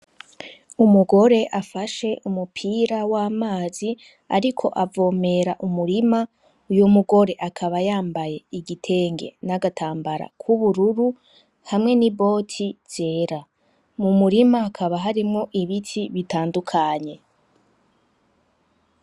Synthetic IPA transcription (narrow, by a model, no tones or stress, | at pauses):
umuɡo̞ɾe̞ʔafaʃe̞ʔumupʰiːɾawaːmaːzi | a̰ɾikʰo̞̰ʔavo̞ːme̞ɾaʔumuɾima | ujumuɡo̞ɾe̞ʔakʰaβajaːmbaje̞iɡitʰe̞ŋɡe̞̰naɡatʰaːmbaɾa̰kʰuβuɾuɾu | hamŋe̞nibo̞tʰiz̥e̞ɾa | mumuɾimaːkʰaβaɦaɾimŋo̞ʔiβitʰiβitʰaːndukʰaɲe̞